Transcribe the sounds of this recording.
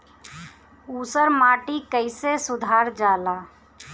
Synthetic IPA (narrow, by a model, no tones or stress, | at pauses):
uːsəɾmaːʈikəɪsesʊd̪ʱaːɾd͡ʒaːlaː